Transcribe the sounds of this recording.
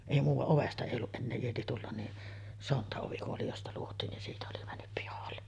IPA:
eˑi muːʋɑʔ oʋestɑ eˑi olːuʔ ʔenːeː ieti tulːɑn ni sontɑoʋi oli jostɑ luotˑiːn nin siːtæ oli mænːyp pihɑlːe

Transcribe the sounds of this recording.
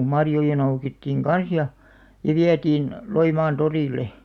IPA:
mɑrjojɑ noukitːiːŋ kɑn̞s jɑ jɑ ʋiætiːn loimɑːn toriˑlˑe

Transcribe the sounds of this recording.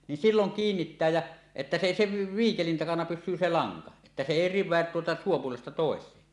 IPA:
nin silːoŋ kiːnːitːæː jæ etːæ se eˑi se ʋiːkelin tɑkɑnɑ pysˑyː se lɑŋkɑ etːæ se eˑi riʋˑeæt tuotɑ suːpuolestɑ toˑeseː

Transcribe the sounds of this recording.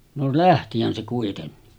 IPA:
no læhtihæn se kuitenːi

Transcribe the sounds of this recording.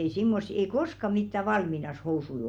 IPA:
ei simːosːi ei koskɑ mitːæ ʋɑlminɑs housui

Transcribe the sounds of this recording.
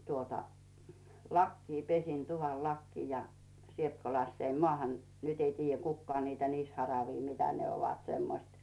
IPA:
tuotɑ lɑkːiː pesin tuʋɑn lɑkːiː jɑ sielt ko lɑsːeim mŏɑˑhɑn nyt ei tiːjːæ kukːŏɑː niːtæ niːshɑrɑʋiː mitæ ne oʋɑt semːoĭst

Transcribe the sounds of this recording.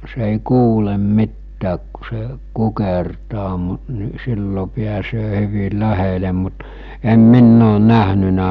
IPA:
se eˑi kuːlem mitːæːk ku se kukertɑː mut ni silːo piæsøː hyʋil læhele mut em minː oːn næhnynæ

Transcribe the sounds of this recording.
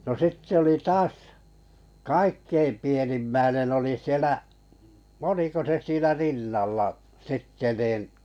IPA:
no sitːĕ oli tɑːs kɑikːeim pienimːæinen oli sielæ oliko se siːnæ rinːɑlːɑ sitːe nin

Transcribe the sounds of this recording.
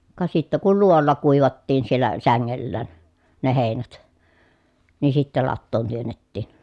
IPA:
kɑ sitːæ kul luoolːɑ kuˑiʋɑtːiːn sielːæ sæŋːelːæːn ne heˑinæt ni sitːæ lɑtːoːn tyønːetːiːn

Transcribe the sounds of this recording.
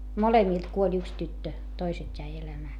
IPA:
molemiˑlt kuolʲ yks tytːø toisetʲ jæi elæmæː

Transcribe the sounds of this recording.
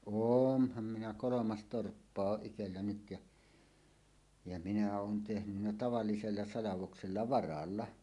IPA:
oːnhɑm minæ kolomɑs torpːɑ oʔ ʔitelːæ nyt jɑ jɑ minæ oːn tehnynːæ tɑʋɑlːiselːɑ sɑlɑʋokselːɑ ʋɑrɑlːɑ

